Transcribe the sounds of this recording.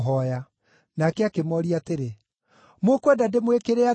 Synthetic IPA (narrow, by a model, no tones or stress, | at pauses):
ɦɔja | nakɛakemɔɾiateɾe | mokwɛdademwekeɾea